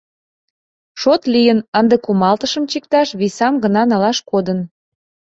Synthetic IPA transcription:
ʃot̪lijənənd̪əkumɑlt̪əʃə̆mt͡ɕik̚t̪ɑʃβisɑmɡənɑnɑlɑʃkod̪ən

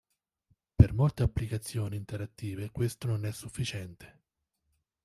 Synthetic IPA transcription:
permolt̪eapːlikat̪sːjoːniːnt̪eɾat̪ːiːvekwest̪ononɛsːufːit͡ʃɛnt̪e̥

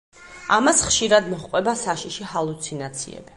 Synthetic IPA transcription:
amasχʃiɾad̪mɔχqʼwɛbasaʃiʃihalˠut̪sʰinat̪sʰḭɛ̰bi

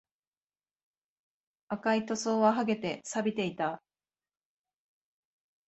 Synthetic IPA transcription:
akait̪o̞so̞ːβaɦaɡe̞t̪e̞sabʲit̪e̞it̪a

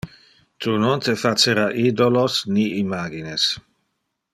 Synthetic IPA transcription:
t̪unont̪efat͡seɾaʔid̪olosniimaːɡines

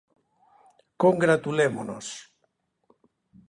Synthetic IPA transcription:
koŋɡɾat̪ulemono̰s

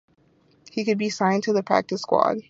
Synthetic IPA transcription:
hikɨd̚bisãɪ̃ntʰɨðɨpʰɹ̥æ̰k̚tɨskwɑ̰d̥̚

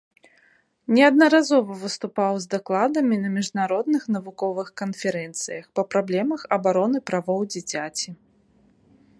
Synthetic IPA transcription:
nʲɛɐd̪nɐɾazɔvɐvɨst̪upawzd̪aklˠad̪ɐmʲinɐmʲiʐnaɾɔd̪nɨxnɐvukɔvɨxkɐnfʲɛɾɛnt̪sɨjɐxpɐpɾablʲɛmɐxɐbaɾɔnɨpɾavɔwd͡zʲit͡sʲat͡sʲi

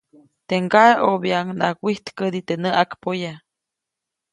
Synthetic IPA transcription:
t̪eŋɡaeobjaŋna̰kʷiht̪kəd̪it̪enəʔakpoja

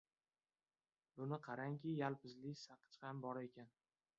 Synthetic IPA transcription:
bʊnɪqʰɑɾaŋkʲɪjalˠpɪzlɪsaqʰɨ̥t͡ʃχɑmbɒɾe̞kʲan

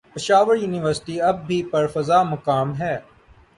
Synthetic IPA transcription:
pɪʃaːʋəɾjuːnɪʋəɾsʈiɐb̚ːʱipɐɾfɐzaːmɐkaːmɦɛː

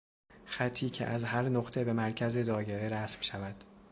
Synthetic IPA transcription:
xæt̪ʰːiːcʰḛʔæzhæɾnoɢt̪ʰe̞be̞mæɾcʰæze̞d̪ɒːjeɾeɾæsmʃævæd̪̥

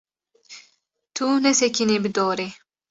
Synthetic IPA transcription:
t̪ʰunɛsɛkʰineːbɨd̪ɔːɾe

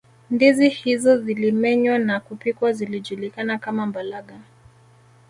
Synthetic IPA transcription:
ndizihizɔzilimɛɲwanakupikwaziliʄulikanakamambalaɠa

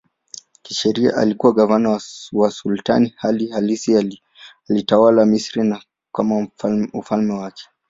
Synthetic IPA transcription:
kiʃɛɾia̰ʔalikuwaɠavanawawasulta̰nihalihalisi | alitawalamisɾina | kamaufalmɛwakɛ̥

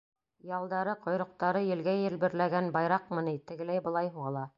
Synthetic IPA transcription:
jɑlˠd̪ɑɾɤqʰŏjɾŏq̚t̪ɑɾɤjɘ̆lɡæjɘ̆lbɘ̆ɾlæɡænbɑjɾɑqmɤ̆nit̪ɘ̆ɡɘ̆læjbɤ̆lˠɑjɦuʁɑlˠɑ

